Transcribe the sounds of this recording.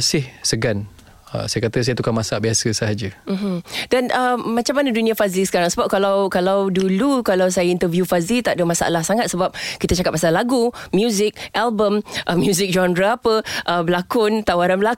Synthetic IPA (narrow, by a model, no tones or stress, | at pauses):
sɪhsəɡan | ə̰sajakat̪əs̬ajat̪ukanmasaaʔbiasəsaɦad͡ʒəm̩ɦ̩danʔəmãt͡ʃamːanədunĩafazisə̥kaɾaŋsəbap̚kalawkalawdulukalawsajaint̪əvjufazit̪aʔdəmasaʔa̰lahsaŋat̪̚səbap̚kit̪at͡ʃakap̚ːasalaɡumjuzɪk̚ʔalbəmʔəmjuzɪk̚d͡ʒɔndɾaapəʔəbəlakʊnt̪awaɾanbəla